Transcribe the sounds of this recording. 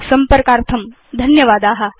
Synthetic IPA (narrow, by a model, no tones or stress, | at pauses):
sɐmpəɐɾkaːɾt̪ʰɐm | d̪ʱɐnjɐʋaːd̪aːɦɐ